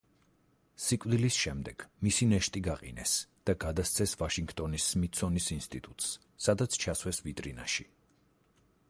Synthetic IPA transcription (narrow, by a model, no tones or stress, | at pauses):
sikʼvd̪ilisʃɛmd̪ɛɡ̥misinɛʃt̪ʼiɡaqʼḭnɛ̰sd̪̥aɡad̪ast̪sʰɛsvaʃiŋɡt̪ʼɔnisːmit̪sʰɔnisinst̪ʼit̪ʼut̪ʼsː | ad̪at̪sʰt͡ʃʰaswɛsvit̪ʼɾina̰ʃi